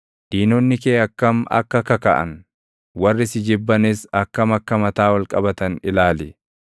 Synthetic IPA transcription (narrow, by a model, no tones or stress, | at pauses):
d̪̥iːnɔnːɪkeːɐkːɐmɐ̰kːɐkɐkɐ̰ʔɐ̰n | wɐrːɪsɪd͡ʒɪbːɐnɪsɐkːɐmɐkːɐmɐt̪aːwɐlkʼɐbɐt̪ɐnɪlaːlɪ